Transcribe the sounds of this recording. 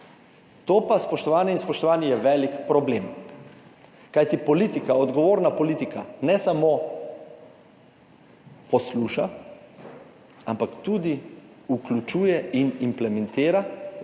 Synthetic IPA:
t̪oːpaspɔʃt̪ɔʋaːnjɛinspɔʃt̪ɔʋaːnɛjɛʋɛːlikpɾɔbleːm | kajt̪ipɔliːt̪ikaɔd̪ɡɔʋoːɾnapɔliːt̪ikanɛsamo | pɔsluːʃa | ampakt̪uːd̪i | uklʲut͡ʃuːjɛinimplɛmɛ̃nt̪eːɾa

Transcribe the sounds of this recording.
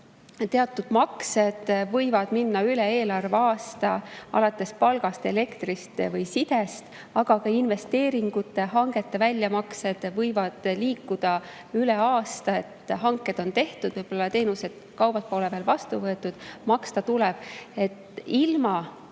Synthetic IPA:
t̪e̞ɑt̪ːˑud̪̥mɑkse̞d̪̥vɤjvɑd̪̥minːɑyleeːlɑrveɑːst̪ɑɑ̰lɑt̪ːˑe̞spɑlɡ̥ɑst̪e̞le̞kt̪rist̪vɤjsid̪̥e̞st̪ | ɑɡ̥ɑkɑinve̞st̪e̞ːɾiŋɡ̥ut̪ːˑe̞ɦɑŋɡ̥e̞t̪ːe̞vælʲjɑmɑkse̞d̪̥vɤjvɑd̪̥liːkːud̪̥ɑ | yle̞ɑːst̪ɑe̞t̪ːhɑŋkːˑe̞d̪̥o̞nt̪e̞ht̪ud̪̥vɤjb̥o̞lːɑt̪e̞ːnuse̞d̪̥ | kɑwb̥ɑt̪̚po̞ːleveːlvɑst̪uvɤe̞t̪ːˑud̪̥mɑkst̪ɑt̪ulɛb̥̚e̞t̪ːilmɑ

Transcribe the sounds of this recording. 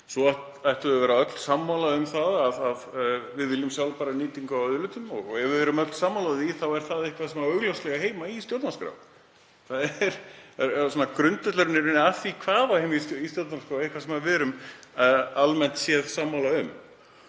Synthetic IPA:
sɔaht̪ | ajht̪ʏðʏvɛːɾaœt̪l̥samːalaʏmθaðaðaðvɪðvɪljʏmsjawlpaːɾaniːt̪iŋkawœðlʏːt̪ʏmɔɣɔɛvɪvɛːɾʏmœt̪l̥samːalaðiθawɛɾ̥θaðɪhkvasɛmaœɣlɔwst̪lɛɣaɦeːjmaist̪jowt̪naskɾa̰wv | θaðɛɛɾɛɾsɔnːakɾʏnt̪œt̪lœɾɪnɪɾɪnɪaθikʰvaːvahejmisist̪jowt̪naskɾawehkvasɛmaðvɛːɾʏm | almɛn̥t̪sjɛðsamːawlaʏm

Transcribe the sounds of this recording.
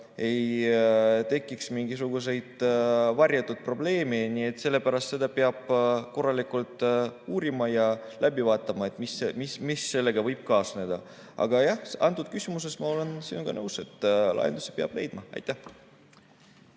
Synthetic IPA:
e̞j | t̪e̞kːˑiksmiŋɡis̬uɡ̥us̬e̞jd̪̥vɑrʲjɑt̪ːˑud̪̥̚pro̞b̥le̞ːme̞niːe̞t̪ːˑse̞lːe̞pæɾɑst̪se̞d̪̥ɑpeɑb̥ko̞rːɑlikult̪ˑuːɾimɑjɑlʔæbivɑːt̪ːˑɑmɑe̞t̪ːˑmisemismisːe̞lːe̞ɡ̥ɑvɤjb̥̚kɑːsne̞d̪ɑ | ɑ̰ɡ̥ɑjɑhsɑnt̪ːˑud̪̚kysʲimus̬e̞smɑo̞le̞nsinoɡ̥ɑnɤwse̞t̪ːlɑ̰je̞nd̪use̥peɑ̰b̥le̞̰jd̪mɑɑ̰jt̪ːˑæh

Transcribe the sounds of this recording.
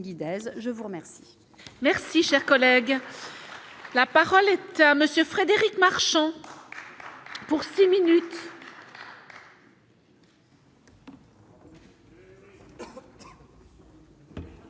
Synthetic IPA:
ɡʲid̪ɛzʒəvuʁəmɛʁsi̥ | mɛʁsiʃɛʁkɔlɛɡ | lapaʁɔlɛt̪aməsjøfχed̪eʁikmaʁʃɑ̃ | puʁsiminyt̪

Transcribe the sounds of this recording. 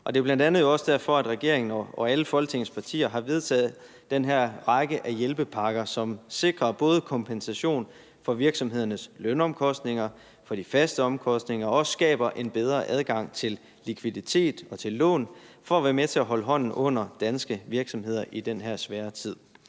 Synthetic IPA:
ʔɒ̽d̥e̝ɐb̥lænd̥ænð̩ˠjo̝ɒ̽sd̥æɐfɒ̽æd̥ʁɛɡ̥e̝ɐ̰e̝ŋn̩ɒɒæləfɒ̽lɡ̥t͡sʰe̝ŋspʰɑ̈t͡sʰḭːɐɦɑ̈ʋe̝ð̞ˠt͡sʰɛ̰ːð̩ˠ | d̥enɦæɐ̰ʁɑ̈ɡ̥əʔæjelb̥əpʰɑ̈ɡ̥ɐsɒ̽mse̝ɡ̥ʁɐb̥ɔ̽ːð̞ˠəkʰɒ̽mpʰensæɕo̝̰ːn | fɒ̽ʋiɐɡ̥sɒ̽mɦe̝ð̰ˠɐnəslønɒ̽mkʰɒ̽sd̥ne̝ŋɐ | fɒ̽d̥ifæsd̥əɒ̽mkʰɒ̽sd̥ne̝ŋɐɒ̽ssɡ̥ɛ̰ːb̥ɐʔe̝nb̥eð̞ˠʁɐʔæð̞ˠɡ̥ɑ̈ŋ̰t͡sʰe̝lː | ikʰʋiðˠit͡sʰe̝̰ːd̥ɒ̽t͡sʰe̝lːɔ̰̽ːnfɒ̽æʋæɐmet͡sʰe̝æɦɒ̽ləɦɒ̽n̰n̩ʔɔ̽n̰ɐd̥ænsɡ̥əʋiɐɡ̥sɒ̽mɦe̝ð̰ˠɐʔid̥enɦæɐ̰sʋɛːɐt͡sʰið̞̰ˠ

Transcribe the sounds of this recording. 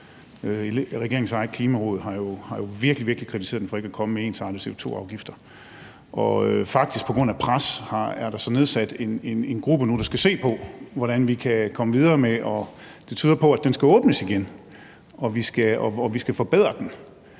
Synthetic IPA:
øeʁɛɡ̥e̝ɐeŋ̩sɑ̈ɪkʰliːmæʁɔ̰ːð̞̩ˠɦɑ̈jo̝hɑ̈jo̝ʋiɐɡ̥liʋiɐɡ̥likʰʁit͡sʰise̝̰ɐðˠd̥enfɒ̽e̝ɡ̥əækʰɒ̽məmee̝ːnsɑ̈ːdəse̝o̝t͡sʰo̝̰ːɑ̈ʊɡ̥ifd̥ɐ | ʔɒfɑ̈ɡ̥d̥ʰisɡ̥̚pʰɒ̽ɡʁɔ̽n̰æpʰʁashɑ̈æɐɾ̥ɑ̈sɒ̽ne̝ð̞ˠsæd̥e̝ne̝ne̝nɡ̥ʁub̥ənuɾ̥ɑ̈sɡ̥æse̝̰ːpʰɒ̽ʋɒɾænʋikʰækʰɒ̽məʋið̞ˠɐːmeʔɒ̽ | d̥e̝t͡sʰyːðˠɐpʰɒ̽æd̥ensɡ̥æɔ̽ːb̥nəsiɡ̥en | ʔɒ̽ʋisɡ̥æɒʋisɡ̥æfɒ̽b̥eð̰ˠʁɐd̥en

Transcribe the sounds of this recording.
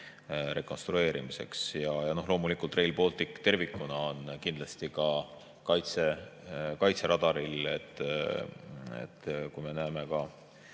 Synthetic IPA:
ɾe̞ko̞nst̪ɾue̞ːɾḭmise̞̰ksjɑjɑno̞hlo̞ːmulikːˑult̪re̞jlpo̞ːlt̪ˑikːt̪e̞rvikːˑunɑonkind̪̥lɑst̪ikɑ | kɑjt̪sekɑjt̪se̞ɾɑd̪̥ɑɾilet̪ːˑ | ḛt̪ːkujme̞næːme̞kɑ

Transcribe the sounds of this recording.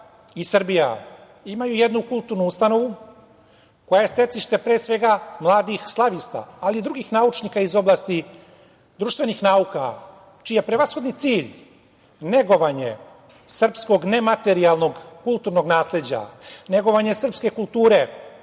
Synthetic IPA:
isr̩bija̰ | imajujed̪nukulˠt̪uːɾnuust̪ano̞ʋu | ko̞jajest̪e̞t̪siʃt̪e̞pɾe̞ːsʋe̞ɡamlˠaːd̪ixslˠaʋist̪a̰ːliːd̪ɾuɡiːxnaut͡ʃnikaizo̞blˠaːst̪i | d̪ɾuːʃt̪ʋe̞nixnaːuka̰ | t͡ʃijjepɾeʋasxo̞d̪nit̪siːʎ | ne̞ɡo̞ʋaɲḛ | sr̩psko̞ɡne̞mat̪eɾialˠno̞ɡkulˠt̪uɾno̞ɡnaːsle̞d͡ʑa̰ne̞ɡo̞ʋaɲe̞sr̩pske̞kulˠt̪uːɾe̞

